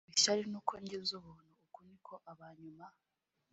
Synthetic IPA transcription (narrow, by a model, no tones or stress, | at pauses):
iʃaɾinuːkʰoːɲɟezoβoːnuokunikʰoʔaβaɲuma